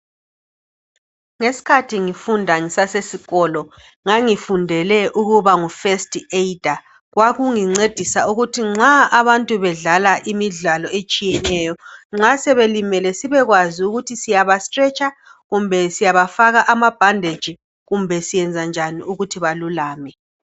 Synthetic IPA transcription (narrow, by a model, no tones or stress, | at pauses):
ŋesi̥kʰatʰiŋifundʱaŋisasesiɣɔlɔ | ŋaŋifundʱɛlɛʔuɣuβaŋufestʼied̥ʱa | ɣwaɣuŋiŋ͡ǀed̥ʱisauɣutʰiŋ͡ǁaaβantʼuβɛɮalaʔimiɮalɔet͡ʃʼijɛnɛːjɔŋ͡ǁasɛβelimɛlɛsiβɛɣwaziuɣutʰisijaβastrɛt͡ʃʼa | ɣumbʱɛsijaβafaɣaʔamab̥ʱandʱed̥ʒ̥ʱi | ɣumbʱɛsijɛnd͡zʱand͡ʒʱaniuɣutʰiβalulaːmɛ